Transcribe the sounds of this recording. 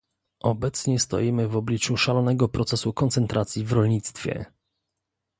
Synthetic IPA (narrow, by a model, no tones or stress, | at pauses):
ʔɔbɛt̪sɲɛst̪ɔ̰jimɘvɔblʲit͡ʂuʂalɔnɛɡɔpɾɔt̪sɛsukɔnt̪sɛnt̪ɾat̪sʲjivɾɔlɲit̪st̪fʲjɛ̰